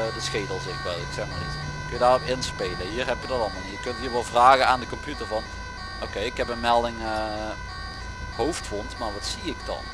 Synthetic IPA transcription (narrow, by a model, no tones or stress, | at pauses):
dəsxejdəl̩ˠsɪxʋɛlˠɪksɛxmanitkøjədaːrɔpɪnspejləɦiːrɦɛpjədɑtɑlˠmɔnjəkɵntɦiːɹʋɑlˠvraːɣənaːndəkɔmpjytəɹvɑn | ʔokejɪkɦɛpənmɛlˠdɪŋə | howftʋɔntmaɹʋɑtsiɪkdɑ̰n